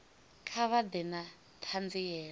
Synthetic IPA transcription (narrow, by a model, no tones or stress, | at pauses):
kʰaβad̪ɛna | tʰand͡zijɛː